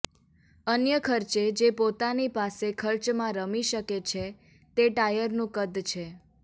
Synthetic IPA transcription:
ənjəkʰəɾt͡ʃed͡ʒepot̪anipasekʰəɾt͡ʃmãɾəmiʃəket͡ʃʰe | t̪eʈajəɾnũkəd̪ʱt͡ʃʰe

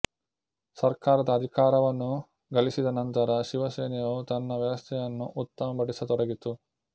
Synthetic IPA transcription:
sɐɾkaːɾɐd̪ɐːd̪ʱikaːɾɐʋɐnːu | ɡɐlisid̪ɐnɐnt̪ɐɾɐʃiʋɐseːnijɐt̪ɐnːɐʋjɐʋɐst̪ʰɛjɐnːuʔut̪ːɐmɐpɐɽisɐt̪ɔɽɐɡit̪ːu

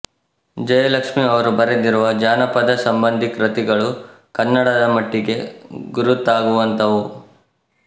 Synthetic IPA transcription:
d͡ʒɐjɐlɐkʂmiɐʋɐɾubɐɾed̪iɾuʋɐd͡ʒaːnɐpɐd̪ɐsɐmbɐnd̪ʱikɾɐt̪iɡɐɭu | kɐnːɐɽɐd̪ɐmɐʈːiɡe̞ɡuɾut̪ːaːɡuʋɐnt̪ɐʋu

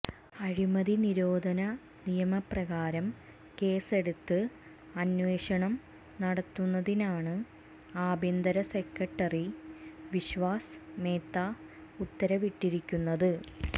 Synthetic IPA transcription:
ɐɻimɐðiniɾoːd̪ʱɐnɐ | nijɐmɐprɐɣaːɾɐm | ke̞ːse̞ɽut̪ːɨ | ɐnʋe̞ːɕɐɳɐm | nɐɽɐt̪ːunːɐðinaːɳɨ | aːbend̪ɐɾɐse̞kːɐʈːɐriʋiɕʋaːsmeːt̪ːaː | ut̪ːɐɾɐʋiʈːiɾikʲːunːɐðɨ

